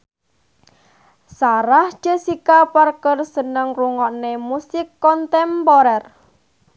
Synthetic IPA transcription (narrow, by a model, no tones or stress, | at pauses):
saɾahd͡ʒ̥əsikaparkərsənəŋruŋɔʔnemusɪkːɔnt̪ɛmpɔɾɛr